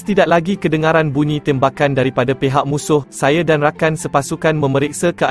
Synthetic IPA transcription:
t̪idaʔlaɡikədəŋãɾanbuɲĩt̪ɛmbakandaɾipadapeɦaʔ̚mũsʊhsajadanrakansəpasukanmə̃məɾɛk̚sakəa

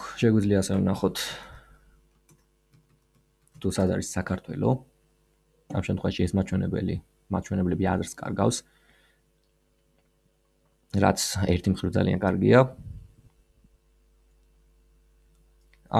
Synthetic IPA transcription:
ʃɛɡwid̪zliaːsɛɛnaχɔt̪ʰ | t̪ʰusad̪aɾisːakʰaɾt̪ʰwɛ̰lɔ | a̰mʃɛmt̪ʰχwɛvaʃiɛsmat͡ʃʰwɛnɛbɛli | mat̪̚t͡ʃʰwɛnɛblɛbia̰zɾskʼa̰ɾɡafs | ɾa̰t̪sʰɛɾt̪ʰimχɾivd̪za̰lia̰nkʼaɾɡia

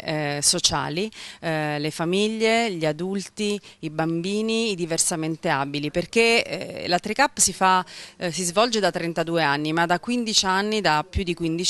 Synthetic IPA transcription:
sot͡ʃa̰ːli | lefamiʎːeʎiad̪ult̪iibambiːniːd̪iversament̪eabiliperk̟ḛlat̪ɾikapːsifasizvɔld͡ʒed̪at̪ːɾent̪ad̪uːeanːimad̪ːakːwind̪it͡ʃianːid̪apːjud̪ːikwind̪it͡ʃ

